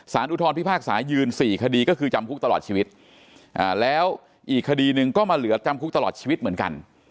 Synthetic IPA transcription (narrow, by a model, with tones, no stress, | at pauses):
saː˩˦nʔu˦˥t̪ʰɔː˧npʰi˦˥pʰaː˥˩k̚saː˩˦jɯː˧nsiː˨˩kʰa˧diː˧kɔː˥˩kʰɯː˧t͡ɕa˧mkʰu˦˥k̚t̪a˧lɔː˨˩t̪̚t͡ɕʰiː˧wi˦˥t̪̚ | ʔaː˨˩lɛː˦˥w | ʔiː˨˩kʰːa˧diː˧nɯ˨˧ŋkɔː˥˩maː˧lɯ˩˦ɐt͡ɕa˧mkʰu˦˥k̚t̪a˧lɔː˨˩t̪̚t͡ɕʰiː˧wi˦˥t̪̚mɯ˩˦ənka̰˧n